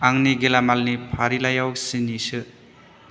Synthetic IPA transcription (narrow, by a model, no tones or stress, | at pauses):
aŋniɡelamalnipʰaɾilajawsinisɯ